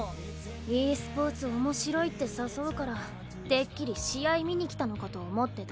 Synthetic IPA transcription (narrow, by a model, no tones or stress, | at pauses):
iːsɨ̥po̞ːt͡sɨomo̞ɕiɾo̞it̪ːe̞sasoɯ̟kaɾa | d̪̥e̞kʲːiɾʲiɕijaimʲiɲ̟ikʲi̥t̪ano̞kat̪o̞ːmo̞t̪ːe̞t̪a